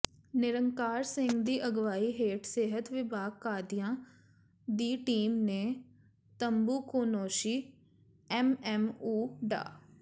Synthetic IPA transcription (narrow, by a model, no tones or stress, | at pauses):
nɪɾəŋkaːɾsɪ̃ŋɡd̪iːʔəɡʋaːiːɦeːʈseːɦət̪ʋɪbaːɡ̚kaːd̪ɪjãː | d̪iːʈiːmneː | t̪əmbuːkoːnoːʃiː | ɛːmɛːmuːɖa̰ː